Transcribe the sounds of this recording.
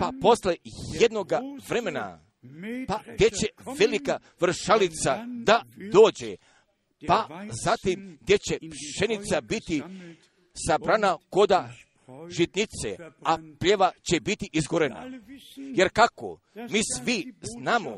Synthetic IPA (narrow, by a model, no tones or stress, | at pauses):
papo̞slejed̪no̞ɡaʋɾe̞me̞na̰ | paɡd̪je̞t͡ɕe̞ʋe̞lika | ʋɾ̩ʃalit̪sad̪ad̪o̞ːd͡ʑe | pazat̪imɡd̪je̞t͡ɕe̞pʃe̞nit̪sabit̪i | sabɾanako̞d̪a | ʒit̪nit̪sḛapʎeʋat͡ɕe̞bit̪iʔizɡoɾena̰je̞ɾkako̰ | miːsʋiznaːmo